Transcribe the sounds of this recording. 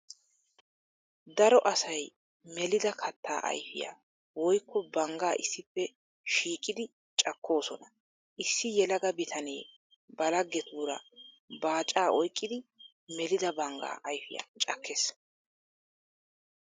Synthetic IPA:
d̪ɐɾɔʔɐsɐj | mɛlɪd̪ɐkʰɐt̪ːa̰ːʔɐ̰jfɪ̰ja̰ː | wɔjkːɔbɐŋɡaːʔɪsːɪpːɛ | ʃiːkʼːɪd̪ɪ | t͡ʃʼɐkːo̞ːsɔnɐ | ʔɪsːɪjɛlɐɡɐbɪt̪ʰɐneː | bɐlɐɡːɛt̪uːɾɐ | baːt͡ʃʼːaːʔɔjkʼːɪd̪ɪ | mɛlɪd̪ɐbɐŋɡa̰ːʔɐjfɪja̰t͡ʃʼɐkʰːes

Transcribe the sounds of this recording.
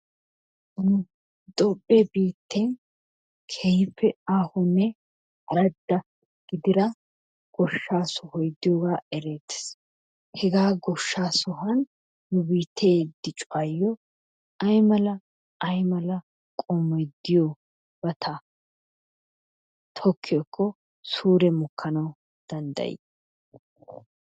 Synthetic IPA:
n | d̪ɔpʼːebiːt̪ʰːɛn | kʰɛjɪpːɛaːhɔnːɛ | ɐɾɐd̪ːɐ | ɡ̥ɪd̪ɪɾɐ | ɡ̥ɔʃːaːsɔhɔjd̪ːɪjoɡaːɛɾeːt̪ːɪ̥s | hɛɡaːɡɔʃːaːsɔɦɐn | nʊbiːt̪ʰeːd̪ɪt͡ʃʼʊajːɔ | ɐjmɐlɐ | ɐjmɐlɐ | kʼɔmːɔjd̪ːɪjɔ | b̥ɐt̪ʰɐ | t̪ʰɔkʰːɪjɔkʰːɔ | suːɾɛmʊkʰːɐnɐw | d̪̥ɐnd̪ɐ̰jɪ̰

